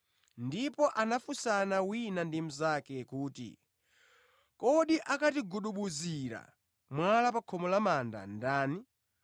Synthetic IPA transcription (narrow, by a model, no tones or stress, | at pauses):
ndipɔʔanafusanawinandim̩zakɛkuːtḭ | kɔɗiʔakatiɡuɗuɓuziɾa̰ | mwalapakʰɔmɔlamanda̰ndaːni